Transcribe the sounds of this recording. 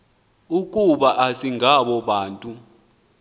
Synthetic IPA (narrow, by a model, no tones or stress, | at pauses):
uk̬ʼuɓaʔasiŋʱaɓɔɓaːntʼu